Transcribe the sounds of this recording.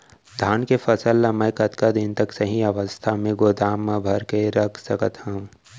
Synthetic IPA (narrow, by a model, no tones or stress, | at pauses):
d̪ʱaːnkefʰɐsəlːɐməjkɐt̪kad̪ɪnt̪ɐksɐɦĩɐʋəst̪ʰamẽɡoːd̪aːmːãbʱɐɾkeɾɐkʰsɐkət̪hə̃ũ